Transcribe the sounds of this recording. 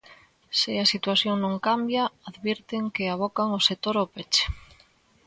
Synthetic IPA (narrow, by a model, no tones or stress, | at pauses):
seasit̪waθjoŋnõŋkambjaaðβeɾt̪eŋkeaβ̞okaŋoset̪oɾopet͡ʃe̥